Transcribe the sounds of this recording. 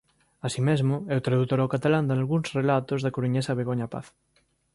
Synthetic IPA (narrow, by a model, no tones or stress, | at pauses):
asimezmoewt̪ɾaðut̪oɾawkat̪aland̪analɣunsrelat̪ozðakoɾuɲesaβeɣ̞oɲapa̰θ